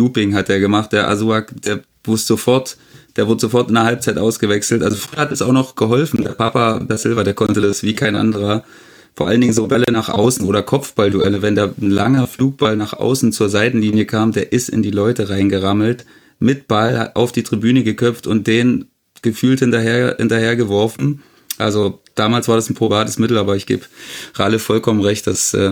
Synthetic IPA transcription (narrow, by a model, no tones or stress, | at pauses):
luːpɪŋɦat̚d̥eːɐɡəmaχt̚d̥eːɐʔa̰zuakd̥eːɐ | mʊstz̥ofɔɐt | d̥eːɐvʊɐdəzofɔɐtɪndɐɦalp̚t͡saɪtʔaʊsɡ̥əvɛksl̩tʔalzofʁ̥yːɐhatɛsaʊxnɔχɡ̥əɦɔlfn̩deːɐpʰapabɛɐsɪlvɐdeːɐkʰɔntədasv̥iːkʰaɪnʔa̰ndəʁɐ | foːɐʔaləndɪŋənzoːbɛləənaːχʔa̰ʊsn̩ʔoːɾɐkʰɔp͡fb̥alduʔɛləvɛndaːn̩laŋɐfluːk̚b̥alnaːχʔa̰ʊsn̩t͡suːɐzaɪtn̩liːnjəkʰaːmdeːɐʔɪstɪ̰ndiːlɔʏtəʁaɪnɡəʁaml̩t | mɪt̚b̥alha̰tʔa̰ʊfd̥iːtʁ̥ibyːnəɡəkʰœp͡ftʊnt̚d̥eːn | ɡ̥əfyːlthɪntɐɦeːɐɐhɪ̰ntɐheːɐɡəvɔɐfn̩ | ʔa̰lzod̥aːmaːlsv̥aːɐdasn̩pʁ̥obaːtəsmɪtl̩ʔaːbɐɪçɡ̥ḛːbʁaləfɔlkʰɔmənʁɛçt̚d̥asʔɛ̰ː